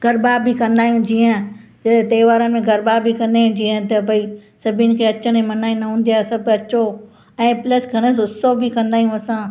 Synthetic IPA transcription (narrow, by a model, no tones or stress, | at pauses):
ɡʱɐɾbaːbʱikɐ̃nd̪aːijũd͡ʑiːə̃d͡ʑɐt̪eːʋaːɾənɪ̆mẽɡɐɾbaːbʱikɐ̃nd̪aːɦjũd͡ʑiːə̃t̪ɐbɐisɐbʱinɪ̆kʰeːɐt͡ɕəɽ̃ẽmɐnaːĩnɐɦũːnd̪ijasɐbɐt͡ɕo | ɛ̃ːplɐsɡʱɐɽ̃əsʊsobʱikɐ̃nd̪aːijũɐsã